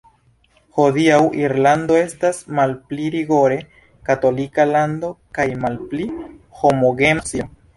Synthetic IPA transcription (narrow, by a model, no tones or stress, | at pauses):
ho̞diawʔiɾlando̞e̞stasmalpliɾiɡo̞ɾe̞ | kato̞likalando̞kajmalpliho̞moɡe̞msio